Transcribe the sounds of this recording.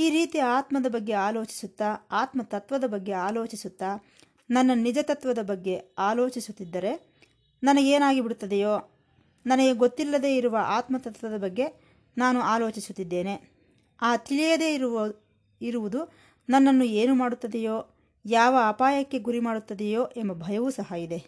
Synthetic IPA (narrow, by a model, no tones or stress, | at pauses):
iːɾiːt̪iaːt̪mɐd̪ɐbɐɡːe̞aːlo̞ːt͡ʃi̥sut̪ːɐaːt̪mɐt̪ɐt̪ʋɐd̪ɐbɐɡːe̞aːlo̞ːt͡ʃisut̪ːɐ | nɐnːɐnid͡ʒɐt̪ɐt̪ʋɐd̪ɐbɐɡːe̞aːlo̞ːt͡ʃisut̪ːid̪ːɐɾe̞ | nɐnɐɡeːnaːɡibiɽut̪ːɐd̪ejoː | nɐnɐɡe̞ɡot̪ːilːɐd̪e̞ːiɾuʋɐʔaːt̪mɐt̪ɐt̪ʋɐd̪ɐbɐɡːe̞ | naːnuaːlo̞ːt͡ʃisut̪ːid̪ːe̞ːne̞ | aːt̪iɭijɐd̪e̞ː | iɾuʋud̪u | nɐnːɐnːueːnumaːɽut̪ːɐd̪ejo̞ː | jaːʋɐaːpaːjɐkːe̞ɡuɾimaːɽut̪ːɐd̪ɛjo̞ːʔembɐbʱɐjɐʋuːsɐɦɐid̪e̞